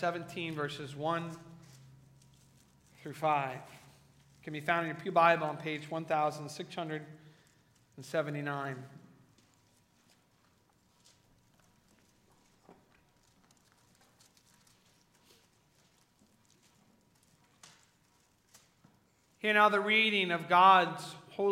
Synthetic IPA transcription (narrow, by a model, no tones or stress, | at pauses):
sɛvɨ̃ntʰĩnvɜ˞sɨzwʌ̃n | θɹʉfaɪv̥ | kʰɨ̃n̩bifãʊ̃ndɨnjə˞pʰjʉbaɪbl̩ˠə̃npʰeɪd͡ʒwʌ̃nθaʊzə̃n̩̥sɪkshʌ̃ndɹɨɾ | n̩sɛvɨ̃ntinãɪ̃n | hiɹɨñaʊðɨɹiɾɪ̃ŋʌvɡɑdz̥hoʊ